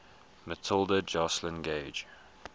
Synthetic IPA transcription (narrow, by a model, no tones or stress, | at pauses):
mətʰɪlˠdəd͡ʒaslə̃nɡeɪd͡ʒ